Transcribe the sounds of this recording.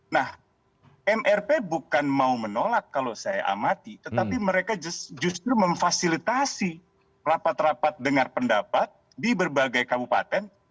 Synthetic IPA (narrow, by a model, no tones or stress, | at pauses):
nah | ʔɛmʔɛrpebukanmaumənolakːalosaja̰ʔa̰mat̪it̪ət̪apiməɾekad͡ʒd͡ʒust̪ɾuməɱfasilit̪asi | rapat̪rapat̪̚dəŋarpəndapat̪̚ | dibərbaɡajkabupa̰t̪ɛn